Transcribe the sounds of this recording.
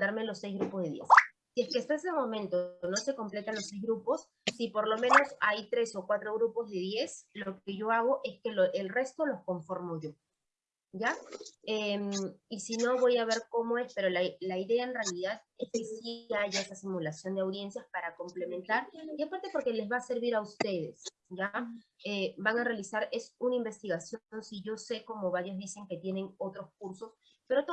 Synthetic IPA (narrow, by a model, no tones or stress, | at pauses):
d̪aɾme̞lo̞sːejzɣɾupo̞zðe̞ðje̞̰s | sieskeast̪aes̬emo̞mẽnt̪okeno̞se̞ko̞mple̞t̪anlo̞sːejzɣɾupo̞sː | ipo̞ɾlo̞mẽ̞no̞sajt̪ɾe̞sokwat̪ɾo̞ɣɾupo̞zðe̞ðje̞sloke̞ʝo̞aɣ̞o̞ʔe̞ske̞loʔelre̞st̪olo̞sko̞ɱfo̞ɾmo̞ʝo̞ | ɟ͡ʝaemisino̞βo̞jaβe̞ɾko̞mo̞e̞spe̞ɾo̞lalaiðe̞aenrealiðað | e̞skesiaʝaest̪asimulasjo̞nd̪eawðje̞nsjaspaɾako̞mple̞mẽ̞nt̪aɾiapaɾt̪e̞po̞ɾke̞le̞zβaːse̞ɾβiɾaust̪e̞ð̞e̞s | ɟ͡ʝaebaŋarealisaɾe̞sunaimbe̞st̪iɣasjonsiʝo̞se̞ko̞mo̞βaɾjo̞zðise̞ŋke̞t̪je̞ne̞ŋo̞t̪ɾo̞skuɾso̞s | pe̞ɾot̪o